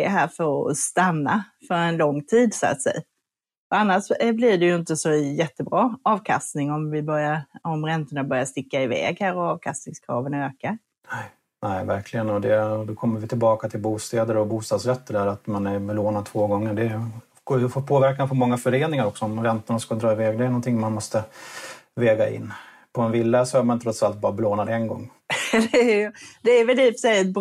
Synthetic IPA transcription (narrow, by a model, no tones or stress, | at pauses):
ɛɦæːɾfəɾɔ̰st̪anːafœɾɛnlɔŋːt̪ʰiːd̪sa̰t̪sɛ̰j | ɔanːaʂblɪɖɛjɵɪnt̪əsɔjɛt̪ːəbɾɑːɑːvkʰa̰st̪nɪŋɔmvɪbœɾjaɾɔmɾɛnt̪əɳabœɾjaʂt̪ɪkːaɪvɛ̰ːɡhæːɾɔɑːvkʰast̪nɪŋskʰɾɑ̰ːvənøːkaɾ | nɛɪvæɾkʰlɪɡənɔd̪ɛd̪okʰɔmːəɾvɪt̪ʰɪlbɑːkat̪ʰɪlbuːst̪ɛːd̪əɾɔbuːst̪ɑːd̪sɾɛt̪ːəd̪æɾat̪manæɾbɛloːnad̪̚t̪ʰvoːɡɔŋːəɖɛ | ɡofɔt̪̚pʰoːvæɾkanfʰɔɾmɔŋːafœɾeːnɪŋaɾɔksɔɔmɾɛnt̪əɳaskɑld̪ɾɑːɪvɛːɡd̪ɛːɾnɔnt̪ʰɪŋːmanmɔst̪ə | vɛːɡaʔɪ̰nː | pʰɔɛnvɪlːasɔhaɾmanɪɾɔt̪salt̪̚bɑːɾabloːnad̪ɛnɡɔ̰ŋː | d̪ɛd̪ɛːɾvɛlt̪ʰiːpsɛɛt̪̚b